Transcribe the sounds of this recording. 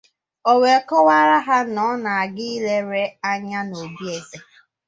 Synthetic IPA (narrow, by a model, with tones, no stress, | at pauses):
o˨we˨kɔ˦wa˦ɾa˦ɦa˦nɔ˨˦na˨a˨ɡɪ˦i˦le˦ɾe˦a˦ɲa˦no˨bi˦e˨ze˦